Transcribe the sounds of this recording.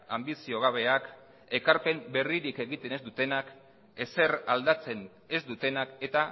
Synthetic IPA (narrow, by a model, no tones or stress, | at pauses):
ambisio̞ɣ̞aβ̞e̞ak | e̞kaɾpe̞mbe̞riɾike̞ɣit̪e̞ne̞zd̪ut̪e̞nak | e̞se̞ɾald̪at͡se̞n | e̞zd̪ut̪e̞nake̞t̪a